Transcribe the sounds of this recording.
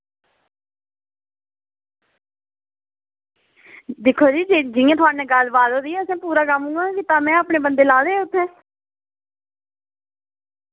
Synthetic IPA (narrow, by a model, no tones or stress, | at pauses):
d̪ɪkʰːoːd͡ʒiːd͡ʒd͡ʒɪjãːt̪ʰʊaːnɛ̃ːɡəlbaːd̪oːd̪iːɛːəsɛ̃ːpuːɾaːkəmũːɡaːkɪt̪aːmɛ̃ːapɳeːbənd̪eːlaːd̪eːʊt̪ʰːɛ̃ː